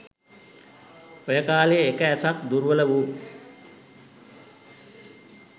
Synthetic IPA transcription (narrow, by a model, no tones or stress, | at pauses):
ojəkaːleekəæsakd̪uɾʋələʋu